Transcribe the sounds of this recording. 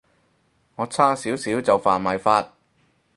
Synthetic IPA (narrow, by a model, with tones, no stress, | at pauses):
ŋɔː˨˧t͡sʰaː˥siː˨˥wsiː˨˥wt͡sɐ˨wfaː˨nmaː˨jfaː˧t̚